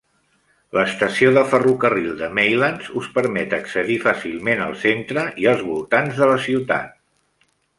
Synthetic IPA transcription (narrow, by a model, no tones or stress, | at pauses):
ləst̪əsioðəfərukərilˠd̪əmɛjlanzuspəɾmɛt̪əksəðifasilˠmenə̰lˠsent̪ɾəʔiəlˠzβulˠt̪anzðələsiwt̪a̰t̪̚